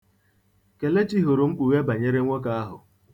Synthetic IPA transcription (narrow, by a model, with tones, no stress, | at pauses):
ke˨le˦t͡ʃi˦ɦo˨ɾo˨ŋ͡m̩˦k͡pu˨ɣe˦ba˨ɲe˦ɾe˦ŋʷo˦ka˦a˦ɦʊ˨